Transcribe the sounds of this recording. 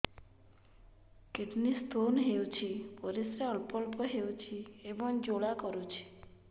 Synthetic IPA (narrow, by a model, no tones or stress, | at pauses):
keʈnist̪ʰonɦewt͡ʃʰipɔɾisɾeɔlpɔlpɔɦewt͡ʃʰiebɔŋd͡ʒoɭakɔɾut͡ʃʰi̥